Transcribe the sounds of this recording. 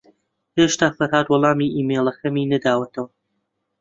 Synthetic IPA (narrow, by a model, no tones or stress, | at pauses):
heːʃt̪aːfɐɾhaːd̪wɔlˠɑːmiːʔiːmejlˠɐxɐmiːnɐd̪aːwɐt̪ʰɐwɐ